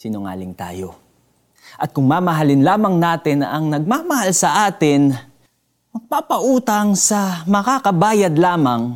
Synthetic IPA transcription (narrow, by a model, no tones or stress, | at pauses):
sinʊŋa̰ːlɪŋt̪a̰ːjo̰ | ʔɐt̪̚kʊŋmaːmɐɦalɪnlaːmɐŋnaːt̪ɪnɐŋnɐɡ̚mamɐhalsɐʔaːt̪ɪn | mɐɡ̚paːpɐʔuːt̪ɐŋsɐmɐkakɐbaːjɐd̪laːmɐŋ